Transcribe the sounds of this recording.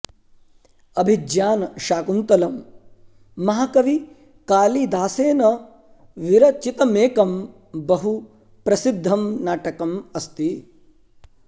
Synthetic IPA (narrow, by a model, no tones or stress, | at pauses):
ɐbʱid͡ʒjaːnɐʃaːkunt̪ɐlɐmː | ɐɦɐkɐʋi | kaːlid̪aːseːnɐ | ʋiɾɐt͡ʃit̪ɐmeːkɐm | bɐɦu | pɾɐsid̪ʱːɐmnaːʈɐkɐmɐst̪i